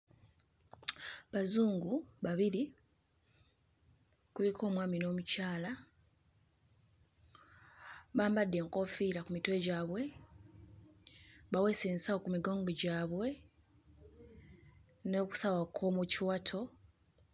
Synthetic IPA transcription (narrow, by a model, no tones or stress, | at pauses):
βazuːŋɡuβaβiɾi | kulikʰo̞ːmwaːmino̞ːmucaːla | βaːmbadːe̞ːŋko̞fiɾakumitwe̞ːɟaːβwe̞ | βawe̞seːnsawokumiɡo̞ːŋɡo̞ɟaːβwe̞ | no̞ːku̥sawakʰo̞muciwatʰo̞